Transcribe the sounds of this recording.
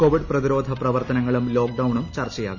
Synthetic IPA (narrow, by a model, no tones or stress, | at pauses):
koːʋiɖprɐðiɾo̞ːd̪ʱɐprɐʋɐrt̪ɐnɐŋːɐɭumloːk̚ɖɐwɳumt͡ɕɐrt͡ɕɐja̰ːɣu